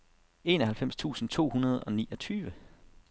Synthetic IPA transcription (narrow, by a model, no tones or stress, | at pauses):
e̝ːnɒhælfem̰st͡sʰṵːsn̩t͡sʰo̝̰ːhunɐð̞ˠɒ̽niːɒ̽t͡sʰyːʋə